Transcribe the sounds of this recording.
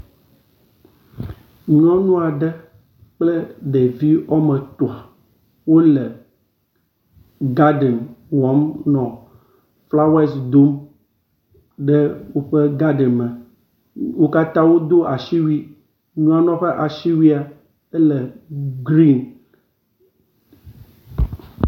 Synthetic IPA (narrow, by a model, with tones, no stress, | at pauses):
ɲ˦ɔ̃˦nũ˦a˨ɖɛ˦ | k͡ple˦ɖe˨vi˦ɔ˦me˨t̪o˨a˨ | wo˦lɛ˨ | ɡa˦ɖe˨nwɔ˨˦mnɔ̃˨ | fla˦wa˦sd̪o˦m | ɖe˦wo˦ɸe˦ɡa˦ɖe˨mə̃˨ | wo˦ka˦t̪ã˦wo˦d̪o˦ʔa˨ʃi˦wi˦ | ɲũ˦a˦nɔ̃˦ɸe˦ʔa˨ʃi˦wi˦a˨ | e˦lɛ˨ɡɾi˦n